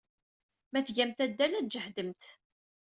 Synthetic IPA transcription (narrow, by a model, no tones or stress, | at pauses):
mæθʝæmt̪æd̪ːælæd͡ʒəħd̪əmt̪